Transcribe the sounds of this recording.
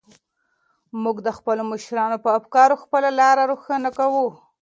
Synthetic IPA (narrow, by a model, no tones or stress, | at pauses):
muɡd̪əxpəlomɪʃɾɑnopəafkɑɾoxpəlalɑɾaɾuxənakawu